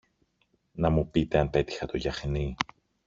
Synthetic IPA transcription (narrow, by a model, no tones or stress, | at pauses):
nɐmupit̪e̞ɐnpe̞t̪i̥xɐt̪o̞ʝɐxni